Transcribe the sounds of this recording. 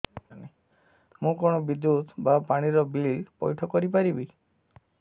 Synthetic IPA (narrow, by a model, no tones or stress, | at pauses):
ane | mũkoɽ̃ɔbid̪ut̪bapaɽ̃iɾɔbililpɔjʈʰɔkɔɾip̬aɾibi